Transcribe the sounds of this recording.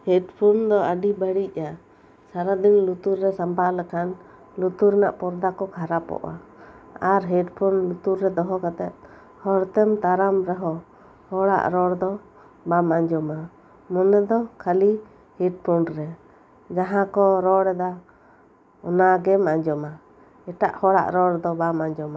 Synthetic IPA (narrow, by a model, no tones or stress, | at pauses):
hɛʈpʰɔnd̪ɔəɖibəɽic̚ˀa | saɾad̪inlut̪uɾːɛsampalɛkan | lut̪uɾɛnaʔpɔɾd̪akɔkʰaɾapɔ̰ʔa̰aɾɦɛɖpʰɔnlut̪uɾːɛd̪ɔɦɔkat̪ɛt̪̚ | hɔɽt̪ɛmt̪aɾamɾɛɦɔ | hɔɽa̰ʔɾɔɽd̪ɔ | bamaɲd͡ʒɔma | mɔnɛd̪ɔkʰali | hɛɖ̚pʰɔnɾɛ | d͡ʒaɦãkɔɾɔɽɛd̪a | ɔnaɡɛmaɲd͡ʒɔma | ɛʈaʔhɔɽa̰ʔɾɔɽd̪ɔbamaɲd͡ʒɔma